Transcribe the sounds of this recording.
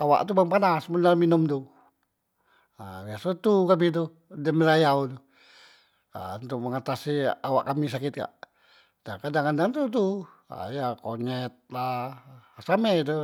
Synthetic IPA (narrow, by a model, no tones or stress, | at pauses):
ʔawa̰ʔt̪ubaŋpanasmunalminɔmt̪u | a̰biasot̪ukamit̪̬u | dɛməlajaut̪u | a̰unt̪uk̚məŋat̪asiawa̰ʔkamisakɪt̪̚ɡa̰ʔ | dakadaŋandaŋt̪ut̪u | a̰jakoɲɛt̪̚la | samɛt̪̬u